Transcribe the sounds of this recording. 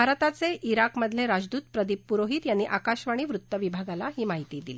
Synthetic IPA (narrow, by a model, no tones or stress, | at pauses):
bʱaɾət̪at͡seiɾakməd̪ʱleɾad͡zd̪uːt̪pɾəd̪ipːuɾoɦiːt̪janːiːʔakaɕʋaɽ̃iːʋɾut̪ːəʋibʱaɡalaɦiːmaɦit̪iːd̪ili